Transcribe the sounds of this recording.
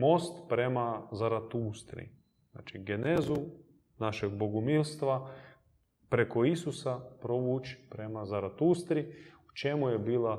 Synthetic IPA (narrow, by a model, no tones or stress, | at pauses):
mo̞st̪pɾemazaɾat̪uːst̪ɾḭ | na̰ːt͡ʃiɡenezu | naʃeɡboɡomilˠst̪ʋa | pɾe̞koisusapɾoʋuːt͡ʃpɾe̞mazaɾat̪uːst̪ɾiut͡ʃe̞mujebiːlˠa